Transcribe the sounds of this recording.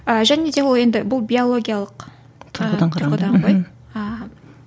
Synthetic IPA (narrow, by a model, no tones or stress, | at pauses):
əʒæne̞d̪e̞wolˠe̞nd̪ɪbʊlˠbʲio̞lˠo̞ɡʲijalˠəq | t̪ʰʊɾʁəd̪ɑɴqʰd̪ɑɴoj | ə